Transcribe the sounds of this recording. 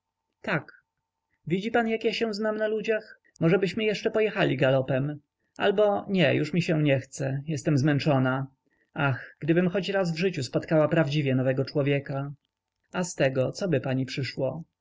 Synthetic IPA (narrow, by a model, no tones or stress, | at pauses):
t̪ak | vʲid͡ʑipanjakjaɕɛw̃znamnalud͡ʑax | mɔʐɛbɘɕmɘjɛʂt͡ʂɛpɔjɛxalʲiɡalɔpɛm | ʔa̰lbɔɲɛjuʂmʲiɕɛɲɛxt̪sɛjɛst̪ɛmzmɛnt͡ʂɔna | axɡ̥d̪ɘbɘmxɔt͡ɕɾazvʐɘt͡ɕuspɔt̪kawapɾavd͡ʑivʲjɛnɔvɛɡɔt͡ʂwɔvʲjɛka | ast̪ɛɡɔt̪sɔbɘpaɲipʂɘʂwɔ